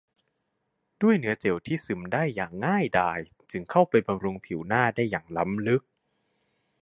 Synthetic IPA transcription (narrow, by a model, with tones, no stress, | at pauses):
d̥u˥˩əjnɯ˦˥ɐt͡ɕe˨˩wt̪ʰiː˥˩sɯ˨˩˦mdaː˥˩jːaː˨˩ŋːaː˥˩jdaː˧j | t͡ɕɯ˧ŋkʰa˥˩wpa˧jba˧mɾu˧ŋpʰi˨˩˦wnaː˥˩daː˥˩jːaː˨˩ŋla˦˥mlɯ˦˥k̚